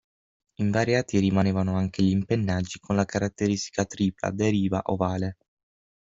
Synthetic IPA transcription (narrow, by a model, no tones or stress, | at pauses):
iɱvaːɾjaːt̪iɾimaneːvanoaŋk̟eʎimpenːad͡ʒːikʰonlakaɾat̪ːeɾist̪i̥kat̪ɾiːpla̰d̪eɾiːva̰ʔovaːle